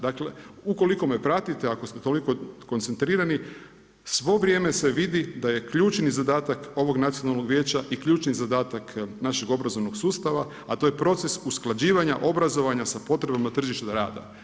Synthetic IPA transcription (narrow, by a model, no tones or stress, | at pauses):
d̪akle̞uko̞liko̞mepɾat̪it̪eakost̪et̪o̞liko̞ko̞nt̪sent̪ɾiːɾani | sʋo̞ʋɾʲje̞ːme̞se̞ʋid̪id̪aje̞kʎuːt͡ʃnizad̪aːt̪ako̞ʋo̞ɡnat̪sio̞nalˠno̞ɡʋje̞ːt͡ɕaʔikʎuːt͡ʃnizad̪aːt̪aknaʃeɡo̞bɾazo̞ʋno̞ɡsuːst̪aʋa | at̪ojepɾo̞t̪sesusklˠad͡ʑiːʋaɲaʔo̞bɾazo̞ʋaɲasapo̞t̪ɾe̞bamat̪r̩ʒiʃt̪aɾa̰ːd̪a̰